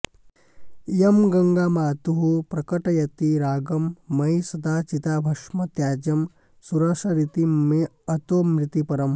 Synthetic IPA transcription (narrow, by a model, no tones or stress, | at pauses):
jɐmɡɐŋɡaːmaːt̪uɦupɾɐkɐʈɐjɐt̪iɾaːɡɐmːɐjsɐd̪aːt͡ʃit̪aːbʱɐʂmɐt̪jaːd͡ʒɐm | suɾɐːʂɐɾit̪ime | ɐt̪oːmɾit̪ipɐɾɐm